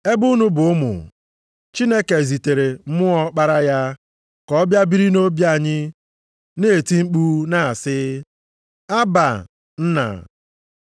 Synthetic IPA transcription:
e˦bʊ˦nu˦bʊ˨ʊ˦mʊ̰˨ | t͡ʃi˦ne˦ke˨zi˨te˨ɾe˨m̩˦mʊ˦ɔ˦k͡pa˦ɾa˦ja˦ | kɔ˦bja˦bi˦ɾi˦no˦bja˨ɲɪ˦ | ne˦˨e˨ti˦ŋ͡m̩˦k͡pu˦na˦˨sɪ˦ | a˦ba̰˨ | n̩˦na̰˨

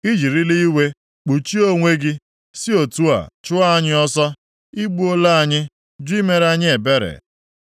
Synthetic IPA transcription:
i˦d͡ʒi˨ɾi˦li˦i˦we˦ | k͡pu˨t͡ʃi˦o˦ŋʷe˦ɡɪ˦ | si˦o˨tu˦a̰˨t͡ʃʊ˦a˦a˦ɲɪ˦ɔ˦sɔ˦ | i˦ɡ͡bu˦o˦la˦a˨ɲɪ˦ | d͡ʒʊ˦i˦me˨ɾa˦ɲɪ˦e˨be˦ɾḛ˨

